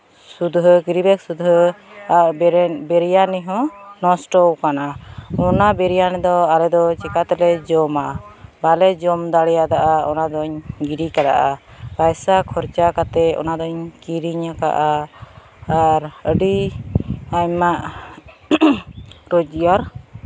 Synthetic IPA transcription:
sud̪ɦəkiɾibɛk̚sud̪ɦəaʔbɛɾijaniɦɔ̃nɔsʈɔwkanaɔnabɛɾijanɛd̪ɔalɛd̪ɔt͡ʃikat̪ɛlɛd͡ʒɔmabalɛd͡ʒɔmd̪aɽɛjad̪aʔaɔnad̪ɔɲɡiɾikad̪a̰ʔa̰bajsakʰɔɾt͡ʃakat̪ɛɔ̰nad̪ɔɲkiɾiɲaka̰ʔaː | ɾəɖi | amaʔ | ɾɔd͡ʒijaɾ

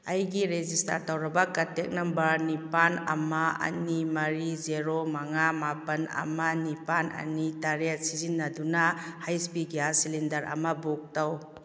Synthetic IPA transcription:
ɐjɡiɾezista̰ɾtawɾɐbɐkɐtek̚nɐmbɐnipanɐ̰maɐ̰nimɐɾizeɾomaŋamapɐnɐ̰mɐnipanɐ̰nitaɾejat̚sizinːɐdunahajspiɡiasilindɐɾɐ̰mɐbok̚taw

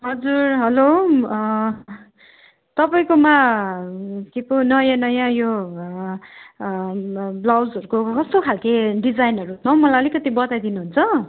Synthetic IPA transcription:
ɦʌd͡zurɦʌlo | t̪ʌpaĩkoma | keponʌjãnʌjãjo | blawd͡zʌɾukokʌst̪okʰalkeɖid͡zajnɦʌɾuɦut̪nʌ̃mʌlaʌlikʌt̪ibʌt̪ajd̪inuɦunt͡sʰʌ

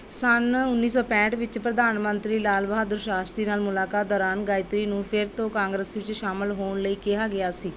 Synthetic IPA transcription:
sənʊnːiːsɔːpɛ̃ːʈʋɪt͡ʃpɾəd̪aːnmənt̪ɾiːlaːlbaːd̪ʊɾʃaːst̪ɾiːnaːlmʊlaːkaːt̪̚d̪ɔːɾaːnɡaːɪt̪ɾiːnũːpʰɪɾt̪õːkãːŋɡɾəsʋɪt͡ʃʃaːmɪlɦoːɳləiːkɪɦaːɡɪjaːsiː

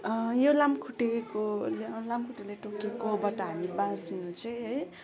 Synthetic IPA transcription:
jolamkʰuʈekolelambkʰuʈeleʈokekoɦbʌʈaɦamibãsinũt͡sʰʌjɦʌj

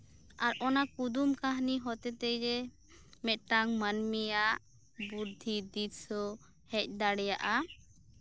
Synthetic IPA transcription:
aɾɔnakud̪umkaɦniɦɔt̪ɛt̪ɛjɾɛ | mɛt̪̚ʈaŋmanmijaʔ | buɾd̪ʱid̪isɔ | hɛc̚ˀd̪aɽɛjaʔa

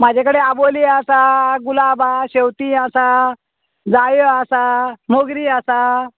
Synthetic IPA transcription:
mad͡ʑʱakəɽeaboliasaɡulabʱaɕewt̪iəsa | d͡zajasamoɡɾiːasa

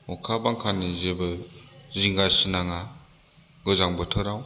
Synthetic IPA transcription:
ɔkʰabaŋkʰanizebɯziŋɡasinaŋa | ɡɯzaŋbɯtʰɯɾaw

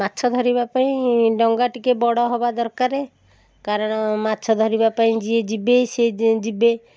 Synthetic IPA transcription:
mat̪ːʃʰɔd̪ʱɔɾibapaĩɖɔŋɡaʈikebɔɽɔɦɔbad̪ɔɾkaɾe | kaɾɔɽ̃ɔmat̪ːʃʰɔd̪ʱɔɾibapaĩd͡ʒied͡ʒibesed͡ʒibe

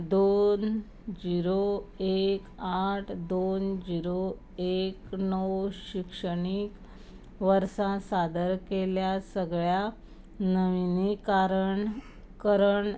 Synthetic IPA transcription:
d̪on | d͡ʑiɾoekaʈʰd̪ond͡ʑiɾo | eknəwɕikʂəɽik | ʋəɾsãsad̪əɾkeljasəɡɭja | nəʋinikaɾəɳ | kəɾəɳ

